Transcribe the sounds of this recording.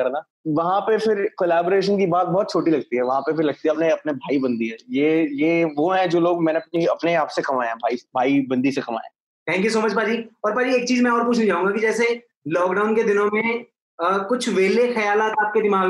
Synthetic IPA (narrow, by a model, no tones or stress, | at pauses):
kɐɾnaː | ʋɐɦãpefɪɾkoːlaːboːɾeːʃənkibaːt̪̚bɔːt̪t͡ʃʰoːʈilɐɡ̚t̪iɦɛʋɐɦãpefɪɾlɐɡ̚t̪iɦɛɐpneɐpnebʱaːibɐ̃nd̪iɦɛːjeːjeːʋoɦɛ̃d͡ʒoːloːɡmɛ̃ːneɐp̚niɐpneaːpsekɐmaːeɛ̃bʱaːibʱaːibɐ̃nd̪isekɐma̰ːḛ̃ | t̪ʰɛ̃ːŋkjus̬oːmət͡ʃpaːd͡ʒiːɔːɾpaːd͡ʒieːk̚t͡ʃiːzmɛ̃ɔːɾp̬uːt͡ʃʰnĩd͡ʒaːũŋɡakid͡ʒɛːse | lɔːkɖaːʊnked̪ɪnõmẽ | kʊt͡ʃʰʋeːlexɐjaːlaːt̪aːp̚ked̪ɪmaːɡ